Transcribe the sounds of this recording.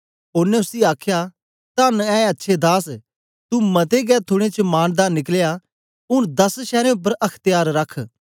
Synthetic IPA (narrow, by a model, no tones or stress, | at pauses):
ʊːnẽʊsiaːkʰja | t̪anɛ̃ːɐtːʃʰed̪aːs | t̪umɐt̪eɡɛːt̪ʰʊɽ̃et͡ʃəmaːnd̪aːnɪklja | ʊnd̪ɐsʃɛːɾẽʊp̬ːəɾʔɐkʰt̪ɪjaːɾɾɐkʰ